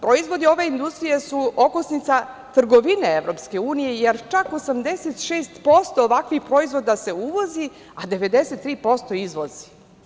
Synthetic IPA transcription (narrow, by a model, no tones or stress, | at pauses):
pɾoizʋo̞d̪io̞ʋe̞ind̪ust̪ɾijesuo̞kosnit̪sa | t̪r̩ɡo̞ʋineeʋɾo̞pske̞uːnije̞jeɾt͡ʃako̞samd̪eset̪ʃeːst̪po̞st̪oːʋakʋixpɾo̞izvʋo̞d̪ase̞uʋozi | ad̪e̞ʋe̞d̪eset̪ːɾiːpo̞st̪o̞izʋo̞zi̥